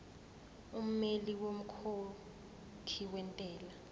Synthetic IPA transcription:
um̩meliwom̩kʰo | kʰiwɛntʼɛːla

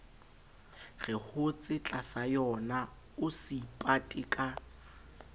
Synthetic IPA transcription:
ɣɪhʊt͡sʼɪt͡ɬʼasajɔna | ʊsipʼatʼɪkʼa

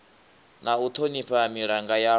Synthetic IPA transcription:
naut̪ʰoniɸamiɺaŋɡaja

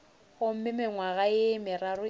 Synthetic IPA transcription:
ɣʊm̩mɪmɪŋwaɣaɪmɪɾaɾʊ

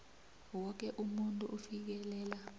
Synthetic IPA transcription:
wɔk̬ʼɛʔumuntʼuʔufik̬ɛlɛːla

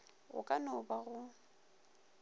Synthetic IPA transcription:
ɣʊ̰kʼanʊbaɣʊ

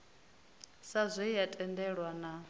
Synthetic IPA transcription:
sazʷɛjatʼɛndɛɺwana

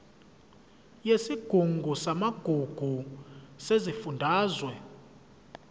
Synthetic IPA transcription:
jesiɡ̥ʱuŋɡʱusamaɡ̥ʱuɡ̥ʱusezifundʱaːzwɛ

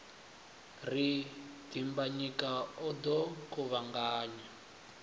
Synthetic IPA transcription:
rid̥imbaɲikaɔd̪ɔkuβaŋɡaːɲa

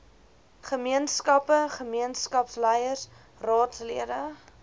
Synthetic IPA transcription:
χəmiənskɐpəχəmiənskɐpslɛjərs | rɑːtsliədə

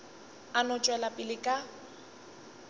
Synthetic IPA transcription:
anɔt͡ʃʼwɛlapʼɪlɪkʼa

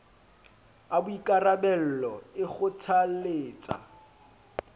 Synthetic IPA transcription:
abʊikʼarabɛl̩lɔɪχʊtʰaleːt͡sʼa̰

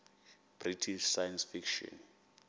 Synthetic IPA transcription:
b̥ritʰiʃsajansfikʃɔ̰n

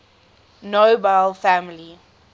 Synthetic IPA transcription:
nobaɪlfamli

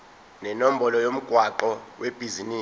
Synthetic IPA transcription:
nɛnom̩bɔlɔjom̩ɡ̥ʱwaǃɔweb̥ʱiziniː

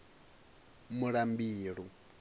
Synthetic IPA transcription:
muɺambiːɺu

